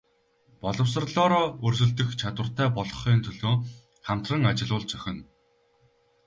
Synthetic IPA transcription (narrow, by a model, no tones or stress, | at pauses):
pɔɮɞ̆ws̬ə̆rɮɔːɾɔːɵrsɵ̆ɮt̪ɘ̆xt͡ɕʰat̪wə̆r̥t̪æːpɔɮɞ̆χiːnt̪ʰɵɮoː | χam̥t̪rə̆ŋat͡ɕɪ̆ɮʊːɮt͡sœxʲɪ̆n